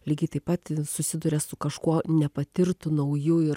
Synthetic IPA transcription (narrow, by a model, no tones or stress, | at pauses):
lʲiːɡʲɐɪt̪ɐɪpːɐt̪sʊsʲɪd̪ʊɾʲɛsʊkɐʃkuɔnʲɛpɐt̪ʲɪɾt̪ʊnɐʊjʊɪɾ